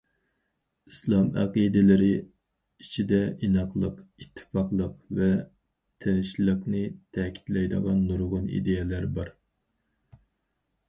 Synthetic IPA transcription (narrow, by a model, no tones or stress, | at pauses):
islˠɑmæqid̪ɪlɪɾɪ | it͡ʃʰid̪ɛʔinɑqlˠəqit̪ʰːɨ̥fɑqlˠəqvɛ | t̪ʰenɪʃlˠəqnɨt̪ʰɛkʲʰi̥t̪lɛjd̪ə̰ʁɑnːuɾʁʊnḭd̪ejɛlæɾbɑɾ